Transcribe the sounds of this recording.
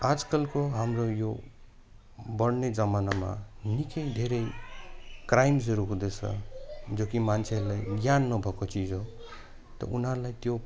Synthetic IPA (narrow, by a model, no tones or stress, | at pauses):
ad͡zkʌlkoɦamrojo | bʌɽned͡zʌmanama̰nikʌjd̪ʱeɾʌj | krajmd͡zʌɾuɦũd̪et͡sʰʌ̰d͡zokimant͡sʰeʌɾulajɡjanːʌbʱʌkot͡sid͡zɦo | t̪ʌ̰unɦʌɾlajt̪jo